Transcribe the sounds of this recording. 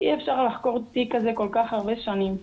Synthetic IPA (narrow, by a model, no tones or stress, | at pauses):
ʔiefʃaʁlaχko̞ʁt̪ikazeko̞lkaχaʁbeʃanim